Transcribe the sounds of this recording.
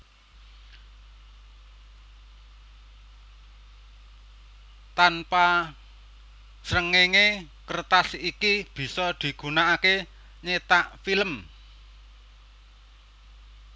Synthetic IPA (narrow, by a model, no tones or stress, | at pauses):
t̪anpa | sɾəŋeŋe | kərt̪asikib̥i̤sɔd̪̥i̤ɡ̥ṳnaake | ɲet̪aʔfiləm